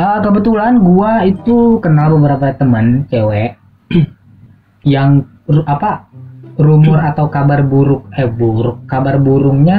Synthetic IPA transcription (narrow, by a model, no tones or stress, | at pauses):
əkəbət̪ulanɡuait̪ukənalbəbəɾapat̪əmənt͡ʃewɛʔ | jaŋ | rapa | rumʊrat̪aukabarbuɾʊk̚əbuɾʊkːabarbuɾʊŋɲa